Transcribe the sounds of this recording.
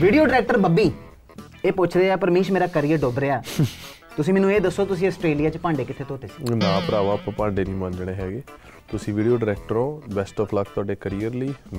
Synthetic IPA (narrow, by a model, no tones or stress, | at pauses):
ʋiːɖijoːɖɪɾɛːk̚ʈəɾbəbiː | eːpʊt͡ʃʰɾeaːpəɾmĩːʃmeːɾaːkəɾiːəɾɖoːbɾeːaː | t̪ʊsĩːmɛːnũeːd̪əsːoːt̪ʊsĩːəsʈɾeːlijaːt͡ʃpãːɳɖeːkɪt̪ʰːeːt̪oːt̪eːsi̥nãːpəɾaːʋaːpãːpãːɳɖeːnĩːmãːnd͡ʒ̪ɽ̃eːɦɛːɡeː | t̪ʊsĩːʋiːɖijoːɖɾɛːk̚ʈəɾõːbɛːsʈɔːpʰlak̚t̪ʊaːɖeːkəɾiːəɾliːm